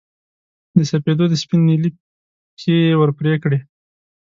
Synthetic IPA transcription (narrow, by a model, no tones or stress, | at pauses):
d̪əsaped̪od̪əspinelip | kewəɾpɾekɽe